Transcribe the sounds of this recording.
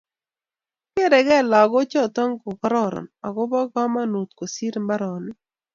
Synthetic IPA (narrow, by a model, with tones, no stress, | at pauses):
ke˦ɾɛ˨ɡɛ˦˨la˨ɡɔ˦t͡ʃɔ˦t̪ɔ˦ŋkʊ˨kɔ˦ɾɔ˦˨ɾɔ̰˨nɔ˨ɡɔ˦bɔ˦ɡɔ˦ma˦nu˨t̪ko˨si˦ɾmba˦ɾɔ˨nɪ˦